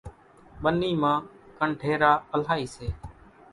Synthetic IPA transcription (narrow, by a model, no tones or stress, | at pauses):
ɓənːiːmãːkəɳʈʰeːɾaːəl̤aːiːseː